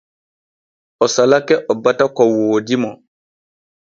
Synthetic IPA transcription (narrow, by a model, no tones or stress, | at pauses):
ɔsalakɛʔɔbatakɔwoːdimɔ